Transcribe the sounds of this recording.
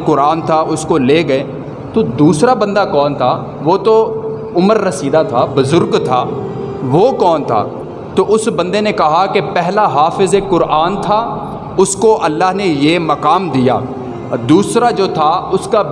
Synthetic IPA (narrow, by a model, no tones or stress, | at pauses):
kʊɾaːnt̪ʰaʊskoleːɡɐeː | t̪od̪uːsɾabɐ̃nd̪akɔːnt̪ʰa | ʋoːt̪o | ʊməɾːɐsiːd̪at̪ʰaːbʊzʊɾɡt̪ʰaː | ʋokɔːnt̪ʰa̰ː | t̪oʔʊsbɐ̃nd̪enekɐɦakepɛɦlaɦaːfɪzekʊɾaːnt̪ʰa | ʊskoʔɐlːaːɦnejeːmɐkaːmd̪ija̰ː | d̪uːsɾad͡ʒoːt̪ʰaʊska